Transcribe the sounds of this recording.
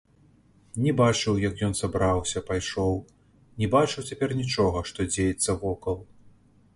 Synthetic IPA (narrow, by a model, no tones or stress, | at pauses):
nʲɛbat͡ʂɨwjɐkjɔnsabɾawsʲɐpajʂɔw | nʲɛbat͡ʂɨwt͡sʲapʲɛrnʲit͡ʂɔɣɐʂt̪ɔd͡zʲejɛt̪sːɐvɔkɐlˠ